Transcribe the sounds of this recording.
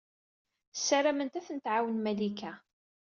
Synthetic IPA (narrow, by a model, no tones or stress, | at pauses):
sːæɾæmənt̪æθənt̪ʕawənmælikæ